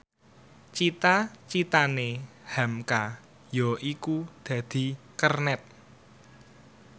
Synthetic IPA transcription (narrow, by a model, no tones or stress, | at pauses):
t͡ʃit̪at͡ʃit̪anehɛmka | jɔʔikud̪̥ä̤d̪̥i̤ | kərnɛt̪̚